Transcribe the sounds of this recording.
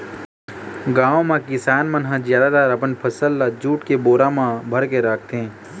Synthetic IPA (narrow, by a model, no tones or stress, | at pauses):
ɡãːʋõmãkɪsaːnmənɦãd͡ʒjaːd̪ad̪aːɾəpənpʰəsəlːad͡ʒuːʈkeboːɾamãbʱəɾkeɾaːkʰt̪ẽː